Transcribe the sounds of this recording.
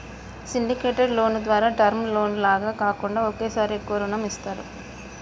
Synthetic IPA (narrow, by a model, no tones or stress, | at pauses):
siɳɖikeːʈɐɾlo̞ːnud̪ʋaːɾaːɖɐɾmlo̞ːnlaːɡaːkaːkuɳɖaːokeːsaːɾekoːɾɐnɐmist̪aːɾṵ